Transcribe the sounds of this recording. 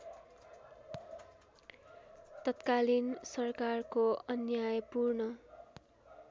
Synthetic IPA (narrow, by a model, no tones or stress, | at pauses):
t̪ʌt̪kalinsʌrkarkoʌnjajpurnʌ